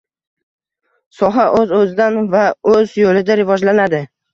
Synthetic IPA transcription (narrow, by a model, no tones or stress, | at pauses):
sɒɦaʔɵzɵzɪd̪anvaɵzjolɪd̪aɾɪvɒd͡ʒlanad̪ɪ